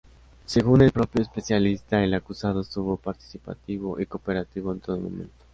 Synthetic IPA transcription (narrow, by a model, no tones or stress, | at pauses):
se̞ɣune̞lpɾo̞pjo̞espe̞sjalist̪aelakusað̞oest̪uβo̞paɾt̪i̥sipa̰t̪iβo̞ʔiko̞pe̞ɾat̪iβ̞o̞ent̪oðomo̰mḛ̃nt̪o̥